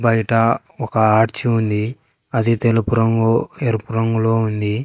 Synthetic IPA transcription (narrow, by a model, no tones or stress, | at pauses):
bɐjʈɐ | ɔkɐaːʈt͡ʃiund̪i | ɐd̪it̪elupuɾɐŋɡoeɾupuɾɐŋɡulo̞ːund̪i